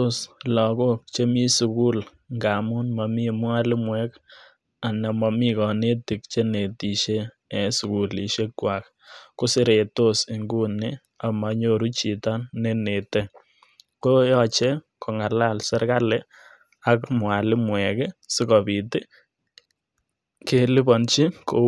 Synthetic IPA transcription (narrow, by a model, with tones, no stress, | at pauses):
to˦slɔ˨ko˦k̚t͡ʃe˦mi˦su˨ku˦l | ŋɡa˨mu˦nma˨mi˦mwa˦lɪ˦mwɛk | a˨na˨ma˨mi˦kɔ˨ne˦tɪ˨k̚t͡ʃe˦ne˨ti˨ʃeː˦˨ | su˨ku˨li˨ʃe˦kːwa˨k | ko˦sɪ˦ɾe˨to˦si˨ŋɡu˦nɪ˦ | a˨ma˨ɲo˨ɾu˦t͡ʃi˨ta˦nːe˦ne˨te˦ | ko˦jɔ˦t͡ʃe˦kʰo˨ŋa˨la˦˨lsɛ˦ɾka˦lɛ˦ | akmwa˨lɪ˦mwɛ˨ksɪ˦kɔ˨bi˨tɪ˦ | ke˦lɪ˦bɔ˨nt͡ʃi˦ko˨